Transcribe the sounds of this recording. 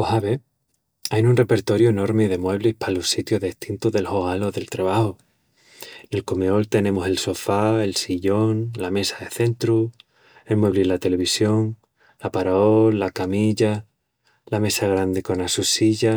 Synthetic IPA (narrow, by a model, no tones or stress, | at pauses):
ohaβe̞ | ajnunre̞pe̞ɾt̪o̞ɾjoeno̞ɾmeð̞e̞mwe̞βlihpalosit̪joɦðeht̪int̪oðe̞lhoalo̞ðe̞lt̪ɾaβaho | ene̞lkomeo̞lt̪e̞nẽ̞mose̞lso̞fae̞lsiʎo̞nlame̞saðe̞θe̞nt̪ɾu | e̞lmwe̞βlilat̪e̞le̞β̞isjo̞ŋ | lapaɾaolːakamiʝa | lame̞saɣ̞ɾand̪eko̞nasusiʝa